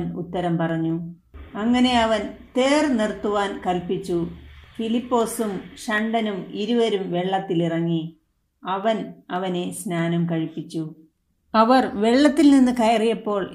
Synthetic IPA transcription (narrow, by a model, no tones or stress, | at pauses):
mut̪ːɐɾɐmpɐrɐɲːu | ɐŋːɐne̞ɐʋɐnt̪e̞ːrnirt̪ːuʋaːnkɐlpit͡ɕːufilipːo̞ːsumɕɐɳɖɐnumiɾuʋɐɾumʋe̞ɭːɐt̪ːilirɐŋːi | ɐʋɐnɐʋɐne̞snaːnɐmkɐɻipːit͡ɕːu | ɐʋɐrʋe̞ɭːɐt̪ːilninːɨkɐjɐrijɐpːo̞ːɭ